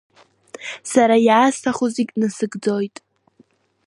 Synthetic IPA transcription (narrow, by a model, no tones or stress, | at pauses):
saɾajaːstʰaχuziɡʲnɨsɨɡd͡zo̞jtʼ